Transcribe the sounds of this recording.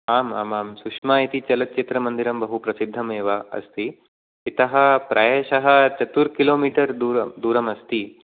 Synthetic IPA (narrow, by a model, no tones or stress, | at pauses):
aːma̰ːmaːmsukʂmaːit̪it͡ʃɐlɐt̪̚t͡ʃit̪ɾɐmɐnd̪iɾɐmbɐɦupɾɐsid̪ʱːɐmeːʋaɐ̰st̪iː | t̪ɐɦɐ̆pɾʔɐjeːʃɐɦɐt͡ʃɐt̪uɾkiloːmiːʈɐɾd̪uːɾɐd̪uːɾɐmɐst̪i